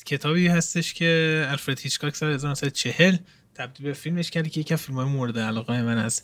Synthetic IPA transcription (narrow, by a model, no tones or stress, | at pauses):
cʰe̞t̪ʰɒːbiːhæst̪e̞ʃcʰe̞ælfɾed̪hit͡ʃkʰɒːcʰsɒːɾezɒːmæsæd̪t͡ʃʰe̞he̞l | t̪ʰæb̚d̪iːlbefilme̞ʃcʰæɾd̪cʰejecʰiæmfilmhɒːjemoɾed̪eælɒːɣejemænæ̰s